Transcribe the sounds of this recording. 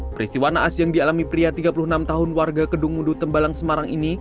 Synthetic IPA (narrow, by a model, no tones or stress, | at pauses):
pəɾist̪iwanaʔasjaŋdialamipɾiat̪iɡapulʊhənamt̪aɦʊnwarɡakədʊŋmudʊt̪əmbalaŋsəmaɾaŋini